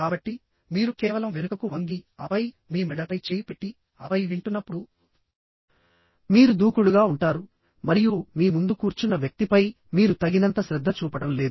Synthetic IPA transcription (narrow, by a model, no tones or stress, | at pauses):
kaːbɐʈːi | miːɾukɛːʋɐlɐmʋeɾukɐkuʋɐŋɡiɐʋɐj | miːmɛɽɐpɐjt͡ʃeːjipe̞ʈːi | ɐ̰ʋɐjʋiɳʈunːɐpːuɽu | miːɾud̪uːkuɭuɡaːuɳʈaːɾu | mɐɾijumiːmund̪ukuːɾt͡ʃunːɐʋjɐk̚t̪ipɐj | miːɾut̪ɐɡinɐnt̪ɐʃɾɛd̪ʱːɐt͡ʃuːpɐɽɐmle̞ːd̪u